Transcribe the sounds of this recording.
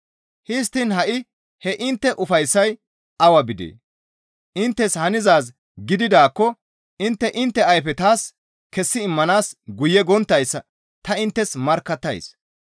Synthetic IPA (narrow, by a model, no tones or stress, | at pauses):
hɪs̬t̪ːɪnhɐʔɪ | hɛʔɪnt̪ːɛʔʊfɐjsːɐj | ɐwɐbɪd̪ḛː | ʔɪnt̪ːɛshɐnɪzaːs̬ | ɡɪd̪ɪd̪aːkːɔ | ʔɪnt̪ːɛʔɪnt̪ːɛɐjfɛt̪aːs | kɛsːɪɪmːɐnaːsɡʊjːɛɡɔnt̪ːɐjsːɐ | t̪ɐɪnt̪ːɛsmɐɾkːɐt̪ːɐ̰js